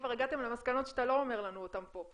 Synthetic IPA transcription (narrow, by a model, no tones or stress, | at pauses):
vaʁeɡat̪emlemaskano̞tʃeat̪alo̞ome̞ʁlanuot̪ampo̞